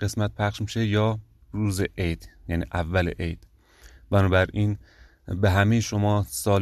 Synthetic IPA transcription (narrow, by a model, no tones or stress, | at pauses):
ɢ̥e̞smæt̪̚pʰæχʃmiːʃe̞jɒː | ɾuːzeʔejd̪̥jæːnḭːʔævːælḛʔejd̪̥ | bænɒːbæɾʔiːn | beɦæmejeʃomɒːsɒːl